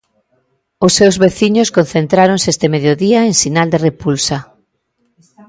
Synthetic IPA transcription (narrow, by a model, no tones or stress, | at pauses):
ʊsːewzβeθiɲoskon̟θent̪ɾaɾoŋsest̪emeðjoðiaeŋsinald̪erepulsa